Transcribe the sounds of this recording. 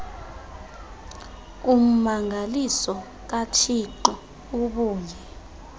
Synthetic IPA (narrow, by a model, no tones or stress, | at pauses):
um̩maŋʱalisɔ | k̬at͡ʃʰiǃɔ | uɓuːɲʱɛ